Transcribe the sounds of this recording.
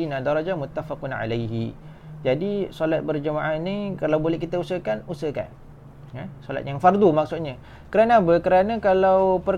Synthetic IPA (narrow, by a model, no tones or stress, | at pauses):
inadaɾˤɔd͡ʒamʊt̪ːafaqʊnʕa̰lajɦḭ | d͡ʒadisolat̪̚bərd͡ʒəmaʔanikalawbolɛhkit̪ausəkanusəka̰n | jasola̰t̪̚jaŋfard̪umaksut̪̚ɲə | kəɾanabəkəɾanəkalawpər